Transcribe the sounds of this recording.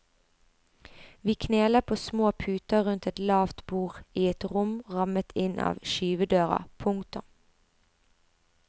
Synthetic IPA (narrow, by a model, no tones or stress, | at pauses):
ʋiːkʰneːləpʰoːsmoːpʰʉːt̪əʁʉnt̪ɛt̪lɑːʋt̪buːʁiːɛt̪ʁʊmʁɑmət̪ʰɪnʔɑ̰ːʋʃyːʋəd̪øːʁɑ̰pʰʊŋt̪ʊm